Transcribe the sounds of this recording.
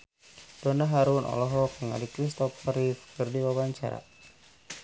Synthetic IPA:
d̥ɔnaɦaɾunʔɔ̰lɔɦɔkəŋa̰likɾist̪ɔfəɾifkʰɨrdiwawaɲt͡ʃa̰ɾa̰

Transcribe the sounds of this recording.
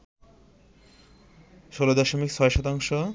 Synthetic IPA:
ʃolod̪ɔʃomik̚sʰɔeʃɔt̪aŋʃo

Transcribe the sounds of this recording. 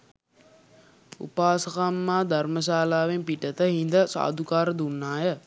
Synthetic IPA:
ṵpaːsəkamːaːd̪arməs̬aːlaːʋempiʈət̪əɦind̪əsa̰ːd̪ukaːɾəd̪unːaːjə

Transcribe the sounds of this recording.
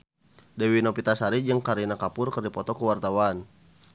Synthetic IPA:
dɛwinɔpit̪asaɾid͡ʒɨŋkaɾinakapʊrkərdipɔt̪ɔkəwart̪awan

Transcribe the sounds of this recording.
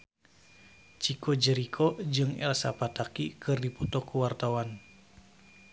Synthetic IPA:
t͡ʃikɔd͡ʒəɾikʰɔd͡ʒɨŋɛ̰lsa̰pat̪akikʰɨrdipɔt̪ɔkːuwart̪awan

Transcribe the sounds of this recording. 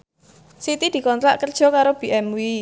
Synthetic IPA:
sit̪id̪̥i̤kɔnt̪ɾa̰ʔkərd̥ʒ̥ɔ̤kaɾob̥iʔɛmwi

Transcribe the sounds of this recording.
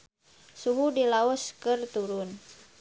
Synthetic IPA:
suɦudilaɔskɨrt̪uɾʊn

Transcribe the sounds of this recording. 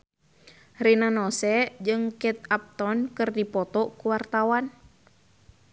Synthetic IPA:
rinanɔsɛd͡ʒɨŋkɛt̪̚ap̚t̪ɔnkɨrdipɔt̪ɔkuwart̪awan

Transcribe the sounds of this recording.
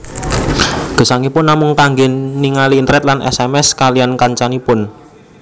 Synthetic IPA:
ɡ̥ə̤saŋipʊnːamʊŋkaŋɡenniŋaliːnt̪ɾɛt̪̚lanʔɛ̰sɛmɛskalijankaɲt͡ʃanipʊn

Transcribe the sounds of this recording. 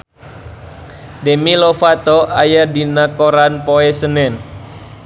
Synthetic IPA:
dɛmilofat̪oʔajadinakoɾanpoɛsənɛn

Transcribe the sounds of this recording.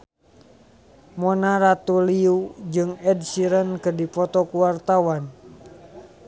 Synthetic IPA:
mɔnaɾat̪uliud͡ʒɨŋɛdsiɾənkɨrdipɔt̪ɔkuwart̪awan

